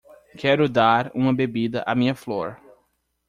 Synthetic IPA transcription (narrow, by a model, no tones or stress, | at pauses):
kʰɛɾʊd̪aɾũmɐbebid̪ɐʔamĩɲɐfloɾ